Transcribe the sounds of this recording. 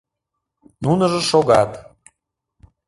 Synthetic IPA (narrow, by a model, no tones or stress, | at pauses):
nunə̆ʒəʃoɣɑt̪